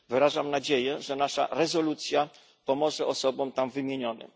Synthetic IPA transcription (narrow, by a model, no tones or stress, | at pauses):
vɘɾaʐamnad͡ʑejɛʐɛnaʂa̰ɾɛzɔlut̪sʲja | pɔmɔʐɛʔɔsɔbɔmt̪amvɘmʲjeɲɔnɘ̰m